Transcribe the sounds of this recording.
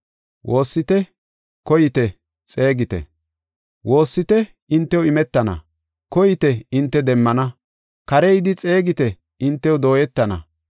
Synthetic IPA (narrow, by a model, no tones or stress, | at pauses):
wʔo̞ːsːɪt̪ɛ | kɔjɪt̪ɛ | t͡sʼe̞ːɡɪt̪ɛ̰ | wo̞ːsːɪt̪ɛ | ɪnt̪ːɛwɪmɛt̪ːɐnɐ̰ | kɔjɪt̪ɛɪnt̪ːɛd̪ɛmːɐnɐ | kɐɾɛjd̪ɪt͡sʼe̞ːɡɪt̪ɛ | ɪnt̪ːɛwɔd̪o̞ːjɛt̪ːɐnɐ̰